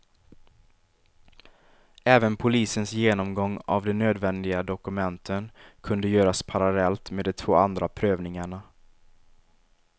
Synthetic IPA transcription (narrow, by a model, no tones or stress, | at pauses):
ɛːvənpʰʊliːsənsjeːnɔmɡɔŋːa̰vd̪ɛnøːd̪vɛnd̪ɪɡad̪ɔkɵmɛnt̪ʰənkʰɵnd̪əjøːɾaspʰaɾalɛlt̪meːd̪ɔt̪ʰvo̰ːand̪ɾapʰɾøːvnɪŋaɳa